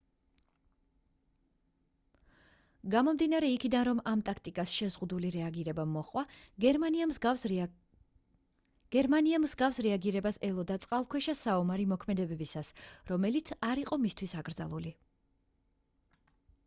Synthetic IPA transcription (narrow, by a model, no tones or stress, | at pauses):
ɡamɔmd̪inaɾɛikʰid̪anɾɔmamt̪ʼak̚ʰt̪ʼikʼasʃɛzʁud̪uliɾɛaɡiɾɛbamɔχʼwaɡɛɾmaniamz | ɡ̥ɛɾmaniamsɡafsɾɛaɡiɾɛbasɛlˠɔd̪at̪sʼqʼalˠkʰwɛʃasaɔmaɾimɔkʰmɛd̪ɛbɛbisasɾɔmɛlit̪sʰaɾiqʼɔmist̪ʰwisaɡɾd̪za̰lˠuli